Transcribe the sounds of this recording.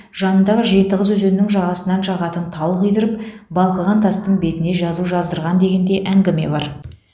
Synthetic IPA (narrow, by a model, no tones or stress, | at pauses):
ʒ̥ɑnənd̪ɑʁəʒe̞t̪ɪʁəzwɵzenɪnɪŋʒɑʁɑsənɑnʃɑʁɑt̪ənt̪ʰɑlˠʁijd̪ɪɾɪpbɑlˠqəʁɑnt̪ʰɑst̪əɴbe̞t̪ɪne̞ʒɑzuʒɑzd̪əɾʁɑnd̪e̞ɡʲe̞nd̪e̞ʔæŋɡʲɪme̞̰bɑɾ